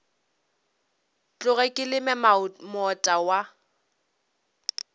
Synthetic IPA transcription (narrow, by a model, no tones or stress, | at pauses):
t͡ɬʼʊɣɛkʼɪlɪmɛmɔtʼawa